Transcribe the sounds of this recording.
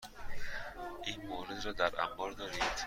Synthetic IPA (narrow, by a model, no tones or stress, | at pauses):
ejmoɾed̪ɾɔd̪aɾa̰mbɔɾd̪ɔɾit̪ʰ